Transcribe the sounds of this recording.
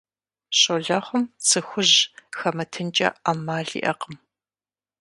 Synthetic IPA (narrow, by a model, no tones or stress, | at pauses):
ɕʼoɮɐχʷʊmt͡sʰɨxʷʊʑxɐmɐtʰɨnt͡ʃʼɐ̰aːmaːɮḭːʔɐqəm